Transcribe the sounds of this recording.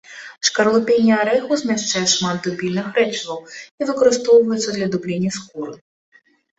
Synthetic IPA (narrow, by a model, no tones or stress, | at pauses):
ʂkɐrlˠupʲenʲːɛaɾɛɣuzʲmʲaʂt͡ʂajɛʂmad̪d̪ubʲilʲnɨxɾɛt͡ʃɨvɐwivɨkɐɾɨst̪ɔwvɐjɛt̪sːɐd̪lʲɐd̪ublʲenʲːɐskuɾɨ